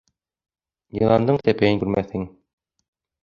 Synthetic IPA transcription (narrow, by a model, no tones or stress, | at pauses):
jɤ̆lˠɑnd̪ɤɴt̪æpæjɘ̆nŋkʉɾmæθhɘŋ